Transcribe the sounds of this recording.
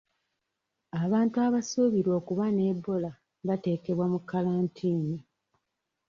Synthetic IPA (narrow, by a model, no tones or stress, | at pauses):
aβaːntuaβasuβiɾwo̞ːkuβane̞bːo̞la | βate̞ːke̞βwamukːalaːntʰiːni